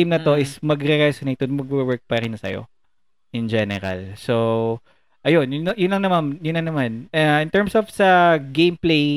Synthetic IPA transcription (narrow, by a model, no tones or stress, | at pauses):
mnɐt̪o̞ʔɪsmɐɡɾɛɾɛsonejt̪od̪mɐɡ̚wɛwɛɹk̚pɐɾɪnɐsɐ̰jo̰ | ʔɪnd͡ʒɛnɛɾɐ̰lso | ʔɐjonjʊnjʊnlɐŋnɐmamjʊnlɐnɐmanɐʔɪnt̪ɛɹmsofsɐɡẽjmplej